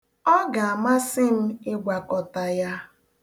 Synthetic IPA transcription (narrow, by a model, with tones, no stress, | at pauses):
ɔ˦ɡa˨a˨ma˦sɪ˦m̩˦ɪ˦ɡʷa˨kɔ˨ta˨ja˦